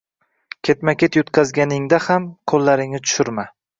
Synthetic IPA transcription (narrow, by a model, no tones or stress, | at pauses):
kʲʰe̞t̪makʲet̪jʊt̪qʰɑzɡʲanɪŋd̪ahamqʰolːaɾɪŋnɪt̪ʰʊ̥ʃʊɾma